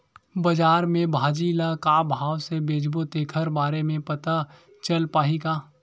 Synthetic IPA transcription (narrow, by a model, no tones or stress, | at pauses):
bɐd͡ʒaːɾmẽbʱaːd͡ʒiːlakaːbʱaːwsebeːd͡ʒbot̪eːkʰəɾbaːɾemẽpɐt̪a | t͡ʃəlpaːɦiɡaː